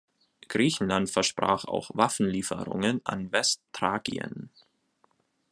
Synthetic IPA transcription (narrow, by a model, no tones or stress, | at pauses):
ɡ̥ʁiːçn̩lantfɛɐʃpʁ̥a̰ːχa̰ʊxvafn̩liːfəʁʊ̰ŋənʔa̰nvɛsttʁ̥aːɡḭə̰n